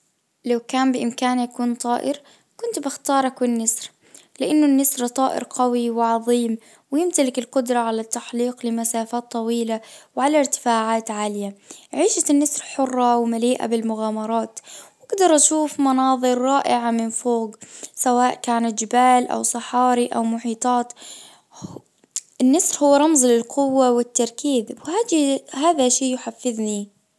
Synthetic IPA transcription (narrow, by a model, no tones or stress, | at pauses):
lawkaːmbɪʔɪmkaːnjakuːnt̪ˤɑːʔɪɾ | kʊnt̪bɪxt̪ɑːɾˤɑkwɪnːasɾ | lɪʔanːʊnːasɾt̪ˤɑːʔɪ̰ɾqawiwɪʕɑðˤiːm | wɪjɪmt̪alɪkɪlqʊd̪ɾˤɑʕalat̪ːaħliːqlɪmasaːfaːt̪ˤːɑwiːlawʕalaɾt̪ɪ̥faːʕaːt̪ʕaːlɪjaʕiːʃat̪ɪnːasɾħʊrˤːɑwmaliːʔa̰bɪlmʊɣaːmɑɾˤɑːt̪wʔaɡd̪ɑɾˤʔaʃuːfmɑnɑːðˤɨɾːɑːʔɪʕamɪnfoːɡsawaːʔkaːnat̪d͡ʒɪbaːlʔa̰wsˤɨħɑːɾiʔawmʊħiːt̪ˤɑːt̪ | ʔɪnːɑsˤɾhʊwːɾˤɑmzˤlɪlqʰʊwːawɪt̪ːɑɾˤkiːðwhaːdhaːðaʃiːjʊħafːɪðni